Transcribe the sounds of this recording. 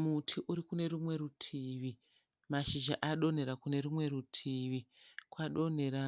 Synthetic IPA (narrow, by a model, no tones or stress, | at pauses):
mutʰiʔuɾikune̞rumwe̞ɾutʰiːʋi | maʃiʒaʔaɗo̞ne̞ɾakune̞rumwe̞ɾutʰiːʋikwaɗo̞n̤e̞ɾa